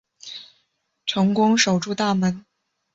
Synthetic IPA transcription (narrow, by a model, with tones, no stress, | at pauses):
ʈ͡ʂʰɤ˧˥ŋkʊ˥ŋʂo˨˩ʊʈ͡ʂu˥˧t̪a˥˩mə˧˥n